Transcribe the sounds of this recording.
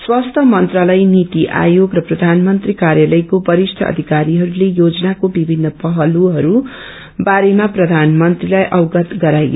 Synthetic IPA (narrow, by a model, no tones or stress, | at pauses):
swast̪ʰʌmʌnt̪ralʌjnit̪iʔa̰joɡrʌprʌd̪ʱanmʌnt̪rikaɾjalʌjkobʌɾisʈʰʌ̰ʌ̰d̪ʱikaɾiɦʌɾulejod͡zʌnakobibʱinːʌpʌɦʌluɦʌɾu | baɾemaprʌd̪ʱanmʌnt̪rilajʔʌwɡʌt̪ɡʌɾajɡ